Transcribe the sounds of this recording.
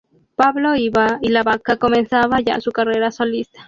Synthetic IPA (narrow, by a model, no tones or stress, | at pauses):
paβloiβailaβakakomẽnsaβaʝa̰sukareɾasolist̪ḁ